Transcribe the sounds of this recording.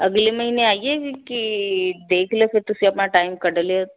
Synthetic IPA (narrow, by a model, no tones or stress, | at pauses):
ɐɡlemɐɦineaːiekid̪eːkʰlefɪɾt̪ʊsiɐpnaʈaːɪmkɐɽəlje